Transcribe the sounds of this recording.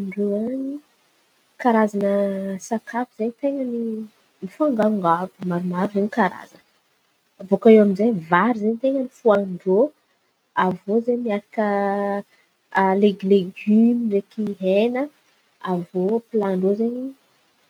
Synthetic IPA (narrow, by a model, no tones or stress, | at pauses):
ɳɖ͡ʐoaɲi | kaɾazanəsakʰapiz̥eɲit̪eŋəni | mifaŋɡaŋɡavumaɾumaɾuzeɲikaɾa̰zan | avokaewamizejvaɾizeɲt̪eŋənifuaɳɖ͡ʐo | avozeɲmiaɾakə | leɡleɡymirekiɦenə | avopilaɳɖ͡ʐozeɲi